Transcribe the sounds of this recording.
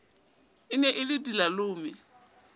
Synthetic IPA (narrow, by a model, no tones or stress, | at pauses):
ɪnɛʔɪlɪdilalʊːmɪ